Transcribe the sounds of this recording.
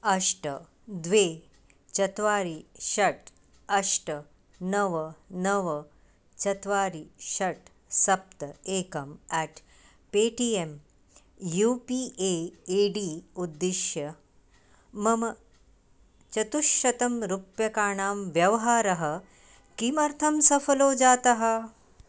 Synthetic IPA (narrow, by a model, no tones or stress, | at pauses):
ɐʂʈɐ | d̪ʋeː | t͡ʃɐt̪ʋaːɾiʃɐʈ | ɐʂʈɐ | nɐʋɐnɐʋɐ | t͡ʃɐt̪ʋaːɾiʃɐʈ | sɐp̚t̪ɐeːkɐmɛːʈ | peːʈiːem | juːpiːeːeːɖiːud̪ːiʃjɐ | mɐmɐ | t͡ʃɐt̪uʃɐt̪ɐmɾupjɐkaːɳaːmʋjɐʋɦaːɾɐɦɐ̆ | kimɐɾt̪ʰɐmsɐfɐloːd͡ʒaːt̪ɐɦɐ